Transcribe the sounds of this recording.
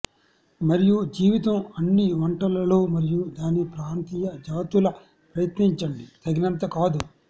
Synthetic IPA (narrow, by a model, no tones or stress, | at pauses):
mɐɾijud͡ʒiːʋit̪ɐmɐnːiʋɐɳʈɐlɐlo̞ːmɐɾijud̪aːnipɾaːnt̪iːjɐd͡ʒaːt̪ulɐ | pɾɐjɐt̪niɲt͡ʃɐɳɖit̪ʰɐɡnɐnt̪̬ɐkaːd̪u